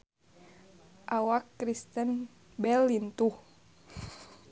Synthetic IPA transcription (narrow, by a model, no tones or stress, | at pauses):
ʔawakːɾist̪ən | bɛlːint̪uh